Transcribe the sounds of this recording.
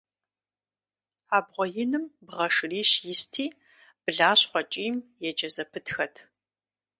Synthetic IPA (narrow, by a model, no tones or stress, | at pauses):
aːbʁʷɔjɪnɨmbʁɐʂɨriːɕjɪstʰiː | b̥ɨɮaːɕχʷɔt͡ʃʼiːmjɛd͡ʒɐzɐpʰɨtxɐtʰ